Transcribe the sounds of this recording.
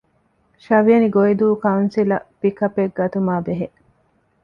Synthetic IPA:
ʃɐʋiɐniɡoid̪uːkɐunsilɐ̰pikɐpːeɡ̚ːɐt̪umaːbeɦeʔ

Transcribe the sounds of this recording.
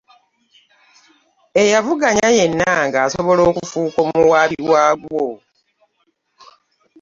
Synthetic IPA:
e̞javuɡaɲaje̞nːaŋɡaːso̞βo̞lo̞ːkufuːkomuwaːβiwaːɡwwo

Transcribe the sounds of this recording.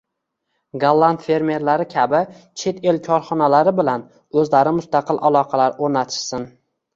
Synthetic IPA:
ɡalˠːant̪fe̞ɾme̞ɾlaɾɪkʲʰabɪ | t͡ʃʰet̪e̞lkʰɒɾχɒnalaɾɪbɪlan | ɵzlaɾɪmʊst̪ɑqʰɨlˠʔalˠɒqʰɑlaɾoɾnat̪ʰɪ̥ʃsɪn

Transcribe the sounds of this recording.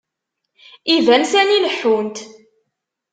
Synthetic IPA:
ivænsæniləħːunt̪

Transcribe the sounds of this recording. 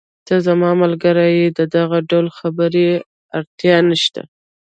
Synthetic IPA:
t̪azamɑmalɡəɾajed̪əd̪aɣaɖawlxabəɾe | aɾt̪jɑnəʃt̪a̰

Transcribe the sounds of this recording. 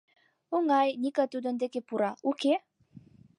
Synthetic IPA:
uŋajnʲikat̪ud̪ə̆nd̪ekepuɾauke

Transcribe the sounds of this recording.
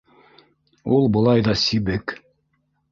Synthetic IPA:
ulˠbɤ̆lˠɑjðɑsiβɘk

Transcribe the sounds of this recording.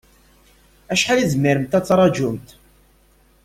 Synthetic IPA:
æʃħalizmiɾəmt̪æt͡sːɾˤɑd͡ʒʊmt̪

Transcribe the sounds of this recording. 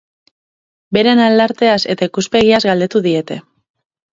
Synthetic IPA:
be̞ɾe̞nald̪aɾt̪e̞ase̞t̪aikuspe̞ɣ̞iazɡald̪e̞t̪uðie̞t̪e̞

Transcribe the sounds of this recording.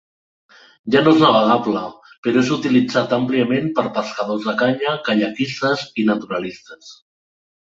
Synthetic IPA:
ʒanoeznəβ̞əɣaplə | peɾoezut̪ilid͡zat̪ampliəmempəɾpəskəðozðəkaɲəkaʎəkist̪əzinət̪uɾalist̪əs

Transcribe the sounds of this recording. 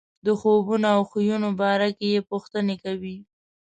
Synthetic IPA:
d̪əxobunoawxujunobɑɾakejepuxt̪ənekawi

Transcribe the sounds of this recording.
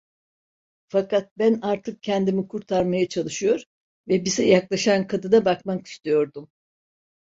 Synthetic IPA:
fakat̪̚bænaɾt̪ʰɯk̚cʰɛnd̪imikʰuɾt̪ʰaɾmajat͡ʃʰalˠɯʃɯjo̞ɾ | vɛbizɛjaklˠaʃankʰad̪ɯd̪abakmaki̥st̪ʰejo̞ɾd̪um

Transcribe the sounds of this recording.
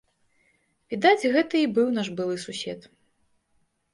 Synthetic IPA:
vʲid̪ad͡zʲɣɛt̪ɨibɨwn̪aʂbɨlˠɨsusʲɛ̰t̪

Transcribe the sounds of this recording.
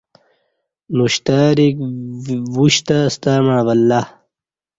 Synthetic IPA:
nuɕt̪aɾik | vuɕt̪ast̪amãːvɐlːa

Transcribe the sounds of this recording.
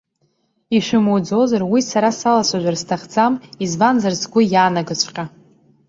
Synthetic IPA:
iʃʷɨmud͡zozarwisaɾasalasʷaʒʷᶣarstʰaχd͡zamizvanzarzɡʷʊjaːnaɡat͡ɕʷʰqʲʼa

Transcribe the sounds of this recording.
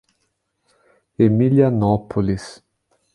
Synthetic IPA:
emilianɔpolis

